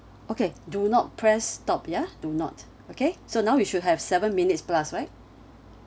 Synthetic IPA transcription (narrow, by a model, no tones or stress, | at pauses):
okedunɔt̚pʰɹɛstɔpjadunɔ̰t | okesonaʊwiʃud̚ɦɛvsɛvə̃nminitsplasɹaɪt̚